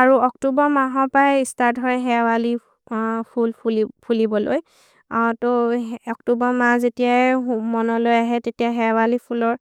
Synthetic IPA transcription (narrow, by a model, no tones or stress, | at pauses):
aɹuɔktubɔmaɦɔpɹajistaɹdʱɔɹɛɦɛwali | pʰulpuipʰulibɔlo̰j | toɔk̚tubɔmazetijaɛmɔnɔlojaɦɛtetijaɦɛwalipʰulɔɹ